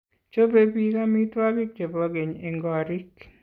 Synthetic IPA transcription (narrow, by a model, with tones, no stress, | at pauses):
t͡ʃo˦be˦bi˦ka˦mi˦twa˦bi˦k̚d͡ʒe˨bɔ˨˦ɡe˨ɲe˨ŋɡɔ˨ɾi˦k